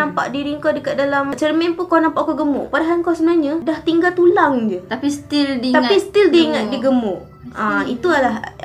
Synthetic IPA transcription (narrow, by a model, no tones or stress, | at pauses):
ampa̰ʔdiɾiŋkawdəkat̪̚dalamt͡ʃərmɛnpunkawnampaʔkoɡəmʊ̰ʔpadaɦankawsəbənaɲadaht̪iŋɡalt̪ulaŋd͡ʒət̪apist̪ildit̪aisə̥t̪ildiŋat̪̚diɡəmʊʔ | ait̪ualah